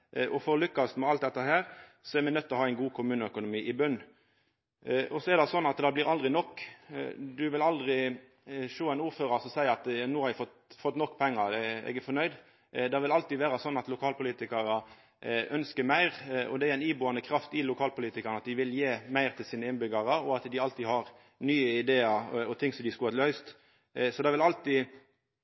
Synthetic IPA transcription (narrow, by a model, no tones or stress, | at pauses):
ʔɔfɔɾɔlʏkːɑst̪mɛɑlt̪̚d̪ɛt̪ːəɦæːɾsɔæɾmɛnœt̪ːɛɔhɑːæɪnɡuːkʰʊmʉːnəœkʊnʊmiːʔɪbʉnː | ʔɔsɔɛɾd̪ɛsɔnːɑt̪d̪ɑbliːɾɑld̪ʁɪnɔkː | d̪ʉʋɪlɑld̪ʁɪ | ʃoːæɪnuːɾføːɾɑɾsɔmsæɪəɾɑt̪nuːhɑɾæfɔt̪fɔt̪ːnɔkːpʰɛŋːɑɾɛ̰ɡæɾfɔnœʏd̪ | d̪ɑʋɪlɑlt̪id̪ʋeːɾɑsɔnːɑt̪lʊkʰɑːlpʊliːt̪ɪkɑɾə | ʔœnskəmæɪʁɔ̰d̪ɛæɾɛɪniːbuːɑnəkʰɾɑft̪ɪlʊkʰɑːlpʰʊliːt̪ɪkɑɾnəɑt̪̚d̪ɪʋɪljeːmæɪʁt̪ʰɪlsiːnəɪnbʏɡɑʁəɔɑt̪d̪ɪɑlt̪iːhɑʁ | nyːəɪd̪eːɑɾɔt̪ʰɪŋsɔmd̪ɪskʉɑt̪lœʏst̪ | sɔd̪ɑʋɪlɑlt̪i